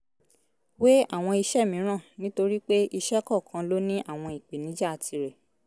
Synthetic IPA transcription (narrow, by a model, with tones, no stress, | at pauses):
we˦a˦˨w̃ɔ̃˧i˧ʃɛ˦˨mĩ˨˦ɾ̃ã˦˨nĩ˦to˧ɾi˦k͡pe˦i˧ʃɛ˦kɔ˦˨kʰã˧lo˦nĩ˦ʔa˦˨w̃ɔ̃˧i˨k͡pe˨nĩ˨˦d͡ʒɛ˦a˧tʰi˧ɾɛ˨